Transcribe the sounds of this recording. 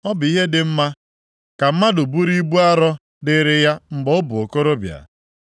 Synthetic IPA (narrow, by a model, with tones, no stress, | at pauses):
ɔ˦bʊ˨i˦ɦe˦dɪ˨m̩˦ma˦ | ka˨m̩˦ma˦dʊ˨bu˦ɾi˦bu˦a˦ɾɔ˦ | dɪ˦ɾɪ˦ja˦m̩˦ɡ͡bɔ˦ʊ˦bʊ˨o˨ko˦ɾo˦bja̰˨